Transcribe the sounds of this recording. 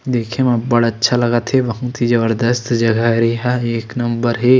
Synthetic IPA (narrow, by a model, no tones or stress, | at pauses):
d̪eːkʰẽmɐ̃bɐɽɐtːʃʰalɐɡat̪ɦebɐɦũt̪ʰid͡ʒɐbəɾd̪əst̪d͡ʒɐɡaɾiɦaeːknɐmbəɾɦe